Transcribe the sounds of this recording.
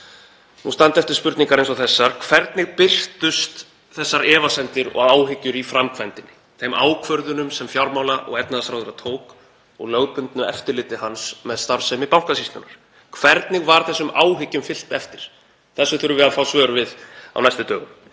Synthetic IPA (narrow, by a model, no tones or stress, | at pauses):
nust̪ant̪ɛft̪ɪɾ̥spʏɾt̪niŋkaɾejnsɔθɛsːaɾ̥kʰv̥ɛɾt̪nɪɣpɪr̥t̪ʏst̪ | θɛsːaɾɛːvasɛnt̪ɪɾɔ̰ɣaɣaːwɦɪcːʏɾifɾamkʰvɛnt̪ɪnːɪ | θejmʔa̰ːwkʰvœɾðʏnʏmsɛmfjawɾmaːwlaʔɔ̰ɣɛt̪naðasɾawðʏɾat̪ʰoːwk | ɔ̰ɣlœɣpʏnt̪nʏɛft̪ɪɾlɪːt̪ɪɦansmɛðst̪aɾ̥sɛmɪpawŋ̥kasist̪ʏnːaɾ̥ | kʰvɛɾt̪nɪɣvaɾ̥θɛsːʏmaːwɦɪcːʏmfɪl̥t̪ɛft̪ɪɾ̥ | θɛsːʏθʏɾʏvɪafaːwsvœːɾvɪða̰wnajst̪ʏt̪œːɣʏ̰m